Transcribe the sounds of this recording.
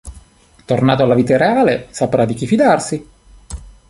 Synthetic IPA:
t̪ornaːt̪oalːaviːt̪aɾeaːlesapɾʔad̪ːik̟ifid̪arsi

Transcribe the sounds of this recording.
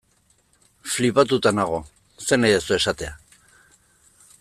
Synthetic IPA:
flipat̪ut̪anaɣ̞o̞ | se̞najðesue̞sat̪e̞a

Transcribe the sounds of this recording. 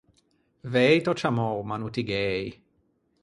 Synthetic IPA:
vɛjt̪ot͡ʃamowmanut̪iɡɛj

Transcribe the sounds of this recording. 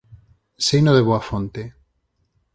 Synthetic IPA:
sejnoðeβoafont̪e

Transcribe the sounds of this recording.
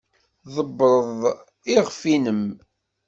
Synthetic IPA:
ðˤəbːɾˤəðˤ | iʁfinəm

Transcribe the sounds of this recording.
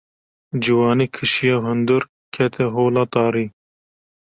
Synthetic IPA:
d͡ʒiwɑːnikʰɨʃijaɦund̪uɾ | kʰet̪ʰeɦoːlɑt̪ɑːɾi

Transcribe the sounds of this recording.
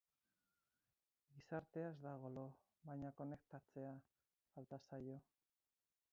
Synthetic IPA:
ɡisaɾt̪e̞azd̪aɣ̞o̞lo | βajɲako̞ne̞k̚t̪at͡se̞aː | lt̪asajo̞

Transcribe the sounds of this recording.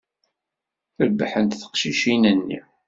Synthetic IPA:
θəɾbaħənt̪θə̥qʃiʃinənːḭ

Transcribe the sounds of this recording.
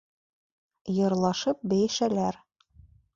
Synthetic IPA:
jɤ̆ɾlˠɑʃɤp̚bæ̆jæʃælæɾ

